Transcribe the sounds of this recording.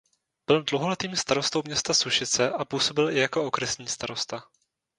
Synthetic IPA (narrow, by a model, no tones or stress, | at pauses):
b̥ɪldlowɦo̞lɛt̪iːmst̪aɾost̪owmɲɛst̪asuʃɪt͡sɛʔapuːso̞bɪlɪjako̞okɾɛsɲiːst̪aɾo̞st̪a